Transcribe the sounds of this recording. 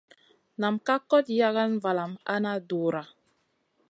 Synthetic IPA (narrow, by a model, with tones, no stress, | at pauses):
na˨mka˦kɔ˦tja˦ɣa˦nva˨la˨ma̰˦na˦do˨ɾa˨